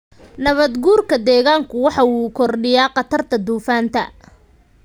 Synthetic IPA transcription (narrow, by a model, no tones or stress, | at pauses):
nɐβɐd̪ɡuːrkʰɐd̪ɛːɣaːŋkʰʊwɑħɑuːkʰɔrɖɪjaːqɑt̪ʰɐrt̪ʰɐd̪uːfaːnt̪ʰɐ